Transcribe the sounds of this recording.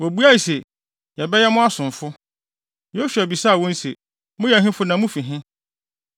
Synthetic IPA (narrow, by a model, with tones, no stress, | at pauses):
wo˨bu˦a˦i˨sɛ˨ | jɛ˨bɛ˦jɛ˦mʊ̃˦a˦sʊ̃˨ɱfʊ˦ | jo˦ɕᶣæ˨bi˨sa˦˨wɔ̃˦n̩˦se˨ | mʊ̃˦jɛ˨ɦɪ̃˦fʊ˦nã˨mʊ̃˦fi˨ɦɪ̃˦